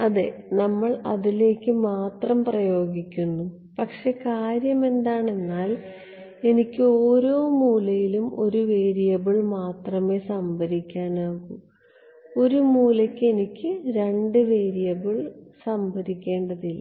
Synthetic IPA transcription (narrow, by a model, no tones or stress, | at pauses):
ɐðenɐmːɐɭɐ̰ðile̞ːkʲːɨmaːt̪rɐmprɐjo̞ːɡikʲːunːu | pɐkʂe̞kaːɾjɐme̞nd̪aːɳe̞nːaːl | e̞nikʲːɨoːɾo̞ːmuːlɐjilumo̞ɾuʋe̞ːɾijɐbiɭmaːt̪rɐme̞ːsɐmbʱɐɾikʲːaːnaːɣum | o̞ɾumuːlɐkʲːe̞nikʲːɨɾe̞ɳɖɨʋe̞ːɾijɐbiɭsɐmbʱɐɾikʲːe̞ːɳɖɐðilːɐ̰